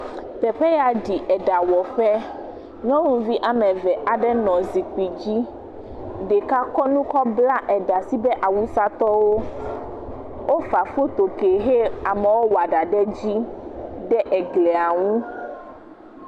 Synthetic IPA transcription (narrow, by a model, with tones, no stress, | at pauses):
t̪ɛ˨ɸɛ˦ja˨ɖi˨ʔɛ˨ɖa˨wɔ˨ɸɛ˦ | ɲɔ̃˦wũ˨vi˦ʔa˨mɛ̃˨vɛ˨ʔa˨ɖɛ˦nɔ̃˨zi˨k͡pi˨d͡ʑi˦ | ɖɛ˨ka˦kɔ˦nũ˦kɔ˦bla˦ʔɛ˨ɖa˨si˦bɛ˦ʔa˨wu˦sa˦t̪ɔ˦wo˦ | wo˦fa˨fo˦t̪o˨ke˨ɦe˦a˨mɛ˨wo˦wa˨ɖa˨ɖɛ˦d͡ʑi˦ɖɛ˦ʔɛ˨ɡlɛ˨a˨ŋũ˦